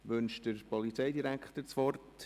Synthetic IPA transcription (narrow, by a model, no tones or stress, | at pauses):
ʋʏnʃd̥əɾpʰɔlit͡sɛɪdiɾækχtəɾt͡sʋɔrt